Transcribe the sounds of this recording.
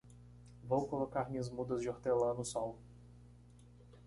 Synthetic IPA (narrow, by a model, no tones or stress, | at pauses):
vowkolokaɾmĩɲɐzmud̪ɐzd͡ʒɪoɾt̪elɐ̃nʊsɔw